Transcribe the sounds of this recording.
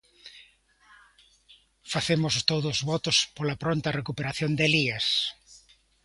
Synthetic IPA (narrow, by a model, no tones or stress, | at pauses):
faθemʊst̪oðʊzβɔt̪ʊspolapɾont̪ɐrekupeɾaθjond̪elias